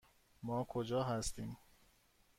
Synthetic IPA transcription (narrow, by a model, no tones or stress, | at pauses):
mɒːkʰod͡ʒɒːɦæst̪iːm